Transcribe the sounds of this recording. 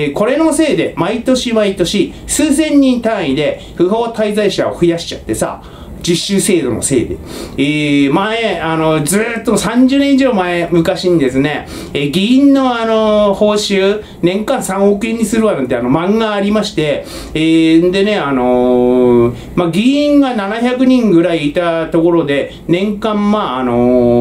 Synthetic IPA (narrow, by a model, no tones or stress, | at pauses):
ko̞ɾe̞no̞se̞ːd̪e̞mait̪o̞ɕimait̪o̞ɕisɨːs̬ẽ̞ɲ̟ːĩnt̪ãɰ̃id̪e̞ | ɸɯ̟ho̞ːt̪aizaiɕa̰o̰ɸɯ̟jaɕi̥t͡ɕat̪ːe̞sa̰ | d͡ʑiɕːɨːse̞ːd̪o̞̰no̞̰se̞̰ːd̪e̞̰ | emaeano̞zɨːt̪ːomsãɲ̟d͡ʑɨːnẽ̞iʑo̞ːmaemɯ̟kaɕiɲ̟id̪e̞sɨne̞ | eɡʲiĩnːo̞ano̞ho̞ːɕɨː | nẽ̞ŋkãɰ̃sãɰ̃okɯ̟ĩɲ̟ːisɨɾɯ̟βanãt̪eano̞mãŋɡaːɾʲimaɕi̥t̪e̞ | end̪e̞ne̞ano̞ | maɡʲiĩŋɡananaçakɯ̟ɲ̟ĩŋɡɯ̟ɾaiːt̪at̪o̞ko̞ɾo̞d̪e̞ | nẽ̞ŋkãmmaːno̞